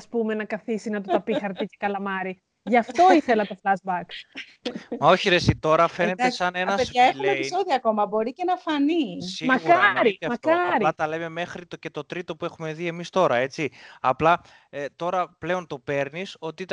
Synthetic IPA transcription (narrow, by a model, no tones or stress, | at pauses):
ɐspume̞nɐkɐθisinɐt̪ot̪ɐpixɐɾt̪ice̞kɐlɐmɐɾi | ʝɐft̪o̞iθelɐt̪o̞flɐzbɐk | mɐo̞çiɾesit̪o̞ɾɐfe̞netesɐnenɐspeɐexlnepiiso̞ðioɐko̞mɐbo̞ɾicenɐfɐnisimɐkɐɾit̪eɐmɐkɐɾiɐt̪ɐle̞me̞me̞xɾit̪oce̞t̪o̞t̪ɾit̪o̞pue̞xume̞ðie̞mist̪o̞ɾɐe̞t͡siɐplɐ | t̪o̞ɾɐple̞ont̪o̞pe̞ɾniso̞t̪i